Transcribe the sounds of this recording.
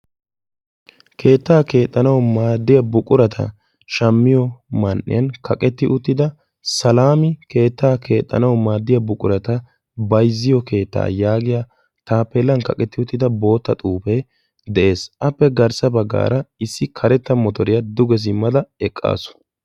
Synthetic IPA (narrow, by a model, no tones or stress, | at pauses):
kʰe̞ːt̪ːaːke̞ːt̪ʼːɐnɐwmaːd̪ːɪjɐbʊkʼʊɾɐt̪ʰɐ̰ | ʃɐmːɪjɔmɐnʔɪ̰jɐnkʰɐkʼɛt̪ːɪʔʊt̪ːɪd̪ɐ | sɐlaːmɪke̞ːt̪ːaːkʰe̞ːt̪ʼːɐ̰nɐwmaːd̪ːɪjɐbʊkʼʊɾɐt̪ɐ | bɐjzːɪjɔke̞ːt̪ːa̰ːjaːɡɪja | t̪aːpːɛlːɐnkɐkʼɛt̪ːɪʊt̪ːɪd̪ɐbo̞ːt̪ːɐt̪ʼuːfɛ | d̪ɛʔe̞ːsʔɐpːɛɡɐɾsɐbɐɡːa̰ːɾɐɪsːɪkʰɐɾɛt̪ːɐmɔt̪ɔɾɪjɐd̪ʊɡɛs̬ɪmːɐd̪ɐɛkʼːa̰ːsʊ̥